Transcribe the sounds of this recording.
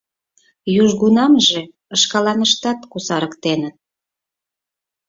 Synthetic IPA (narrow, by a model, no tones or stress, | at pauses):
juʒɣunɑmʒe | əʃkɑlɑnəʃt̪ɑt̪kusɑɾəkt̪enət̪̚